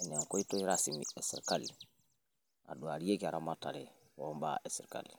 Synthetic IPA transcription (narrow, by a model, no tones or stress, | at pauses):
eɲeŋkoitoiɾasimiesḭɾkali | a̰duaɾijekiaɾamatale | omba̰ʔesiɾka̰li